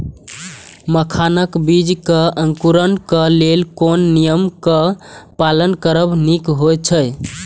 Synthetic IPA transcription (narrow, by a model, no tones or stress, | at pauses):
məkʰanəkbid͡ʒkəəŋkuɾənkəlelkonːijəmkəpalənkəɾəbnikɦojt͡ʃʰəj